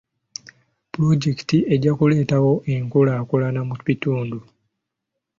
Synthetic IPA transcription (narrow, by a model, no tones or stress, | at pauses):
puloɟeki̥tiʔe̞ɟakule̞ːtawo̞ʔe̞ŋkolakolanamuβituːndu